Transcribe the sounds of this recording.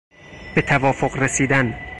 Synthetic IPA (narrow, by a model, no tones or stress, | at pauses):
b̥e̞t̪ʰævɒːfoɢresiːd̪æn